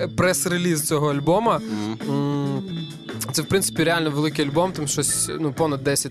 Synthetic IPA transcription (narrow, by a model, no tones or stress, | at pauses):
pɾɛsɾelʲizt͡sʲɔɦɔɐlʲbɔmɐ | t̪ɛwpɾɪnsɪ̥pʲiɾealʲnɔʋelˠɪkɪjɐlʲbɔmt̪ɪmʃɔsʲnupɔnɐd̪ːɛsʲɐ